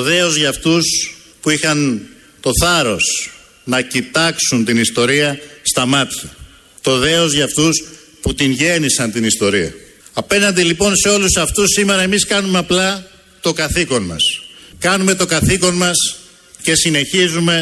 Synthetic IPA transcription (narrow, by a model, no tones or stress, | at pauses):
oðeo̞zʝɐft̪us | puixɐn | t̪o̞θɐɾo̞s | nɐcit̪ɐksunt̪inist̪o̞ɾiɐst̪ɐmɐt̪çi | t̪o̞ðe̞o̞zʝɐft̪us | put̪inʝe̞nisɐnt̪inist̪o̞ɾiɐ̰ | ɐpe̞nɐnd̪ilipo̞nse̞o̞lusɐft̪usːime̞ɾɐe̞miskɐnumeɐplɐ | t̪o̞kɐθiko̞nmɐ̰skɐnume̞t̪o̞ɡɐθiko̞nmɐs | ce̞sine̞çizume̞